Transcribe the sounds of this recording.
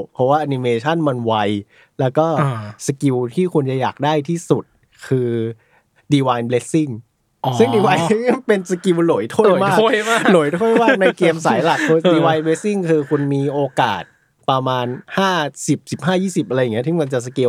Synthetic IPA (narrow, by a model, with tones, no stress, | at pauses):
pʰɔ˦˥waː˥˩ʔa˧ni˧meː˧t͡ɕʰa˥˩nma˧nwa˦˧j | lɛː˦˥wkɔː˥˩sa˧ki˧wt̪ʰiː˥˩kʰu˧nt͡ɕa˨˩jaː˨˩k̚daː˥˩jt̪ʰiː˥˩su˨˩t̪̚ | kʰɯː˧ | diː˧waː˧jnble˦˥si˥˩ŋ | sɯ˥˩ŋdiː˧waː˧jpe˧nsa˧ki˧wlo˨˩˦jt̪ʰo˥˩˨jmaː˥˩˥lo˩˦jt̪ʰo˥˩jmaː˥˩k̚na˧jkeː˧msaː˩˦jla˨˩k̚ʰo˧diː˧waː˧jnble˧˦˥tːi˥˩ŋkʰɯː˧kʰu˧nmiː˧ʔoː˧kaː˨˩t̪̚ | pɾa˧maː˧nhaː˥˩si˨˩p̚si˨˩p̚ɦaː˥˩jiː˥˩si˨˩p̚a˧ɾa˧jŋː˦˥t̪ʰi˥˩ma˧nt͡ɕa˨˩s̬a˧ki˧w